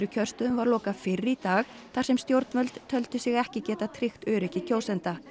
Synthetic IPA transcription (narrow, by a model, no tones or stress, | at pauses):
ɾʏcʰœr̥st̪ʏðʏmvaɾlɔːkafɪrːit̪aːx | θarsɛmst̪jowɾt̪nmœlt̪t̪ʰœlt̪ʏsɪɣɛhcɪcɛːt̪at̪ʰɾɪxt̪œːɾɪhcɪcʰoːwsɛnt̪a